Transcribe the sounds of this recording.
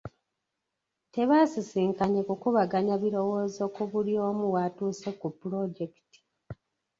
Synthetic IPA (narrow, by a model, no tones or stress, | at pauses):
te̞βasisiːŋkaɲekukuβaɡaɲaβiɾo̞wo̞ːzokuβuɾjo̞ːmuwatuːsekupːuɾo̞ɟeki̥ti̥